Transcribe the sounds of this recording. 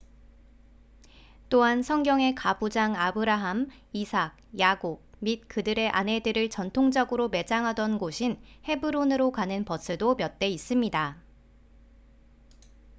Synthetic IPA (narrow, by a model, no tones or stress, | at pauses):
t͈oɦansʰʌŋɡjʌŋe̞kabud͡ʑaŋabɯɾaɦam | isʰaɡ̚jaɡok̚mit̚kɯdɯɾe̞ʔane̞dɯɾɯɭt͡ɕʌntʰoŋd͡ʑʌɡɯɾome̞d͡ʑaŋɦadʌnɡoɕʰinhe̞bɯɾonɯɾokanɯnpʌsʰɯdomjʌt̚t͈e̞is͈ɯmɲida